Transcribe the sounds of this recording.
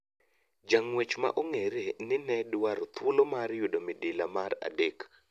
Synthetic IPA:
d͡ʒaŋwet͡ʃma̰ʔoŋeɾenɪnɛdwaɾot̪wolomaɾjudomɪdɪlamaɾa̰dek

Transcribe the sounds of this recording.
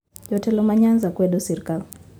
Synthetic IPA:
ʄɔtɛlɔmaɲand͡zakwɛɗɔsiɾkal

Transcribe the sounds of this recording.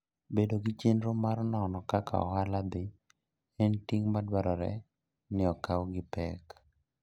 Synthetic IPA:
bedoɡɪt͡ʃenɾomarnɔnɔkaka̰ɔ̰ɦalad̪ɪ | ɛntiŋmadwaɾɔɾɛ̰ | nɪɔkawɡɪpɛk

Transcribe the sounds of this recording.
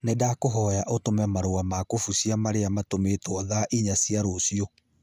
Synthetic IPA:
nedakoɦɔjaʔotomɛmaɾoamakofusjamaɾeamatometwɔðaʔiɲasiaɾosiɔ

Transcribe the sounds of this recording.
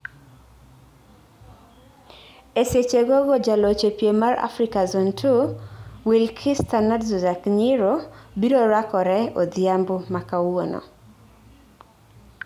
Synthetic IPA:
eset͡ʃeɡoɡɔd͡ʒalot͡ʃepjemaɾa̰fɾikazɔntʰuwilkʰistanadzuzakɲɪɾobiɾɔɾakɔɾɛod̪jambʊmakawonɔ̰

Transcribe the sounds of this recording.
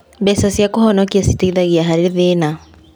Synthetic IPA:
bɛsasjakohɔnɔkiasi̥teiðaɣiaɦaɾeðena

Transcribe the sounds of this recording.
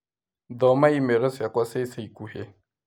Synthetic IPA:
d̪ɔmaimɛɾɔsakaseisaikuhe

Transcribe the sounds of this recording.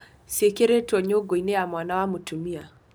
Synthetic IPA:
sekeɾetɔɲoɡoinejamwanawamutumia

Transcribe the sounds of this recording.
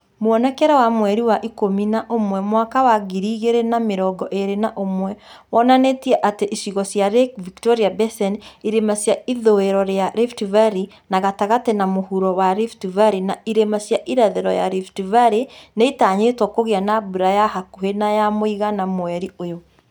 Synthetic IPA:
moɔnɛkɛɾɔwamwɛɾiwaʔikominaʔomwɛmwakawaɣiɾiːɣeɾenameɾɔɡɔʔeɾenaʔomwɛwɔnanetiɛʔateʔisiɣɔsjaɾekviktɔɾiabɛsɛniɾemasjaiðoeɾɔɾeaɾeftivaɾi | naɣataɣatɛnamohuɾɔwaɾiftivaɾinaiɾemasjaʔiɾaðɛɾɔ̰ja̰ɾiftivaɾeneitaːɲetwɔkoɣeanabuɾajahakuhenajamoiɣanamwɛɾiojo

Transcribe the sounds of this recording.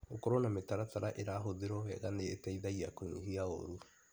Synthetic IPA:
okɔɾɔnametaɾataɾaʔeɾaɦoðeɾɔɛɣanetɛiðaiakoɲḭɦiao̰ɾu

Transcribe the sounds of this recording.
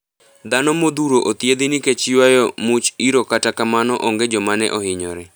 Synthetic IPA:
d̪anɔmod̪uɾoʔot̪jed̪ɪnɪket͡ʃɪwajɔmʊt͡ʃiɾokatakamanɔʔɔŋɡed͡ʒɔmanɛ̰ʔɔhɪɲɔ̰ɾɛ

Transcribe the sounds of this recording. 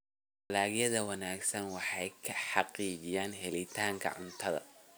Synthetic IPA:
ɐlaːɣjɐðɐwɑnaːɡsɐnwɑħɑjkʰɐħɑqiːd͡ʒɪjaːnɦɛlɪt̪ʰaːŋkʰɐ̰ʕʊnt̪ʰɐðɐ̰

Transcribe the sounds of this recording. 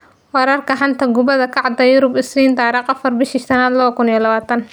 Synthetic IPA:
wɑɾɐrkʰɐħɑnt̪ʰɐɡʊβɐðɐkʰɑʕd̪ɐjʊɾʊbɪsliːnt̪ɑːɾiqɐfɐrbɪʃiʃt̪ʰɐnaːd̪lɐβɐkʰʊnijlɐβaːt̪ʰɐn

